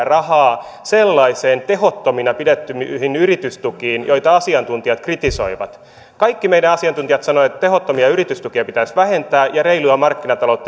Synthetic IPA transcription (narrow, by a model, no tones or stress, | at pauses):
rɑhɑː | selːɑiseːnt̪e̞ɦot̪ːominɑpidet̪ːymhinyɾit̪yst̪ukiːnjo̞it̪ɑɑsiɑnt̪unt̪iɑt̪krit̪iso̰iʋɑ̰t̪ | kɑikːimejdænɑsiɑnt̪unt̪ijɑt̪sɑnoet̪ːt̪eɦot̪ːomiɑyɾit̪yst̪ukiɑpit̪æsʋæhe̞nt̪æːjɑɾeiluɑmɑrkːinɑt̪ɑlout̪ː